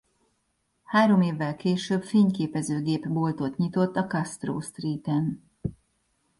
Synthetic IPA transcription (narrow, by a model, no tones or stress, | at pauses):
haːɾo̞meːvːɛlkeːʃøːbfeːɲkeːpɛzøːɡeːpbo̞lt̪o̞t̪ɲit̪o̞t̪ːɒkɒst̪ro̰ːst̪riːt̪ɛn